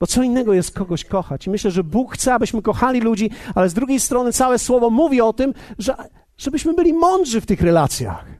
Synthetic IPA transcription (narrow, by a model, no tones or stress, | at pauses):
b̥ɔtsɔinːɛɡɔjɛst̪̚kɔɡɔɕkɔxat͡ɕimɘɕlɛʐɛbukxt̪sɛabɘɕmɘkɔxalʲilud͡ʑialɛzd̪ɾuɡʲejst̪ɾɔnɘt̪sawɛswɔvɔmuvʲiɔt̪ɘmʐɛ | ʐ̥ɛbɘɕmɘbɘlʲimɔnd̪ʐɘft̪ɘxɾɛlat̪sʲja̰x